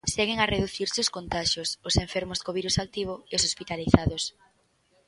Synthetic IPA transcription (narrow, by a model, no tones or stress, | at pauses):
seɣeŋareðuθiɾseʊskont̪aʃosʊseɱfeɾmʊskoβiɾusak̚t̪iβ̞oeosospit̪aliθaðʊs